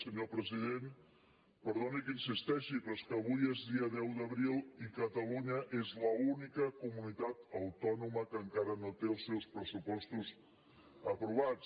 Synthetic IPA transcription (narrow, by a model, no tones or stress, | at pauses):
səɲopɾəziðen | pəɾðonikinsist̪ɛʃipɾɔskəːβujezðiəðɛwd̪əβɾilˠikət̪əluɲəʔezləunikəkumunit̪at̪əwt̪ɔnuməkəŋkaɾənot̪eəlˠsewlspɾəsupɔst̪uz | əpɾuβat͡s